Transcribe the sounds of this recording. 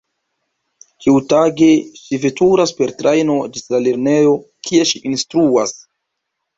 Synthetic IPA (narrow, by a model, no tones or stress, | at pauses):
kiwtaɡe̞ʃivetuɾaspe̞ɾtɾajno̞d͡ʒislaleɾne̞jo̞kʰie̞ʃiʔinstɾuas